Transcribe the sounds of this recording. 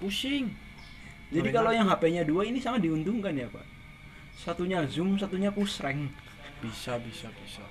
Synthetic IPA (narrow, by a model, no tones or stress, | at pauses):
pusɪŋ | d͡ʒadikalojaŋɦapɛɲaduainisaŋat̪̚diunt̪ʊŋkanjapa̰ʔ | sat̪uɲazʊms̬at̪uɲapusɾɛŋ | b̥isabisabisa